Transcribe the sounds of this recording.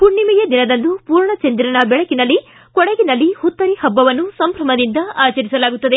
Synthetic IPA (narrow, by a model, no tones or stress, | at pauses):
puɳːimijɐd̪inɐd̪ɐnd̪upuːɾɳɐt͡ʃɐnd̪iɾɐnɐbɛɭɐkinɐlːi | kɔɽeɡinɐlːihut̪ːɐɾihɐbːɐʋɐnːusɐmbɾɐmɐd̪ind̪ɐaːt͡ʃɐɾisɐlaːɡut̪ːɐd̪e̞